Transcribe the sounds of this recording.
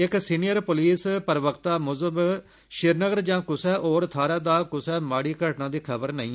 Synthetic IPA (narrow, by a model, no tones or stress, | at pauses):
ɪksiːnijəɾpʊliːspəɾʋəkt̪aːmʊzəb | ʃɪɾnəɡəɾd͡ʒãːkʊsɛːʔoːɾt̪ʰaːɾaːd̪aːkʊsɛːmaːɽiːkəʈnãːd̪iːkʰəbəɾnəĩː